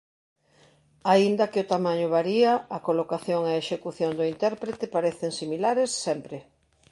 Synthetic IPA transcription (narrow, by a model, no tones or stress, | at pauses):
aind̪ɐkɪʊt̪amãɲʊβaɾiaːkolokaθjoŋeeʃekuθjond̪ʊint̪ɛɾpɾet̪epaɾeθeŋsimilaɾesːɛmpɾɪ